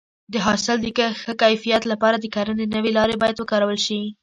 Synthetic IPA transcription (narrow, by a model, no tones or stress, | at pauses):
d̪əɦɑsɪld̪əkəxəkajfijat̪lapɑɾad̪əkaɾənenəwelɑɾebɑjad̪wəkɑɾawəlʃi